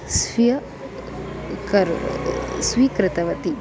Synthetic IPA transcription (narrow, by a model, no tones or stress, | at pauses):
sʋijɐ | kɐɾ | sʋikɾɪt̪ɐʋɐt̪i